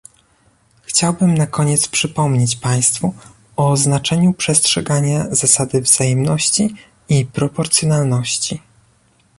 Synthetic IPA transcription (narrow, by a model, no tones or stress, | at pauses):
xt͡ɕawbɘmnakɔɲɛt̪spʂɘpɔmɲet͡ɕpaj̃st̪fu | ɔznat͡ʂɛɲupʂɛstʂɛɡaɲazasad̪ɘvz̥ajɛmnɔɕt͡ɕi | ipɾɔpɔɾt̪sʲjɔnalnɔɕt͡ɕi